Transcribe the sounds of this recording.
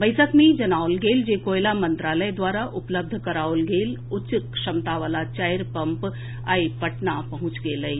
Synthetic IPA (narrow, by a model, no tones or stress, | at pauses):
bəɪsəkmed͡ʒɐnaːʊlɡeːld͡ʒeːkoːjlamɐ̃nt̪ɾaːləjd̪waːɾaʔʊpləb̚d̪ʱkɐɾaːʊlɡeːlʊt͡ʃkʃɐmt̪aʋaːlat͡ʃajɾpɐ̃mp | aːipəʈnapɐɦʊ̃t͡ʃɡeːləi